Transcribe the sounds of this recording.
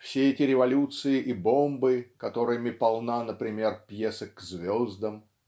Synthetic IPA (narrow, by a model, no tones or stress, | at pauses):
fsʲeɛtʲɪɾʲɪvɐlʲut̪sɨɪʔibo̞mbɨkɐt̪o̞ɾɨjəmʲɪpɐlˠnanəpɾʲɪmʲe̞rpjesəkzvʲo̞zd̪əm